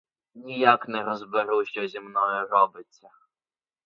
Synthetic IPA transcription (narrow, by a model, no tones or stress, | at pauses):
nʲijaknɛrɔzbɪɾuwʃɔzʲimnɔjʊrɔbɪt͡sʲːɐ